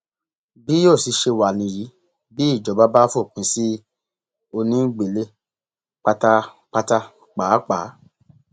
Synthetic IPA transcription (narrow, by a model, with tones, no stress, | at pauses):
bi˨˦jo˦˨si˧˦ʃe˧wa˨nĩ˧ji˨˦ | bi˦˨d͡ʒɔ˨˦ba˦ba˦fo˦˨k͡pũ˨˧˦si˦ | o˧nĩ˦ɡ͡be˨le˧ | k͡pa˧ta˧ | k͡pa˧ta˧ | k͡paː˨˦k͡paː˨˦